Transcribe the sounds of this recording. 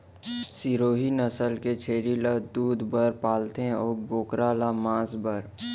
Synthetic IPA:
siɾoːɦinəsəlket͡ʃʰeːɾilad̪uːd̪bəɾpaːlt̪ẽɔːɾboːkɾaːlamãːsbəɾ

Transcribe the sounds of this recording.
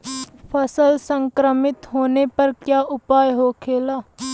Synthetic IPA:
pʰəsəlsə̃ŋkɾəmɪt̪ɦoːnepɐɾkjaːʔʊpaːjɦoːkʰeːlaː

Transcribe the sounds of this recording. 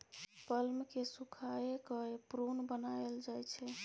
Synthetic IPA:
pəlmkesukʰaekəepɾonbənaeld͡ʒajt͡ʃʰɛ

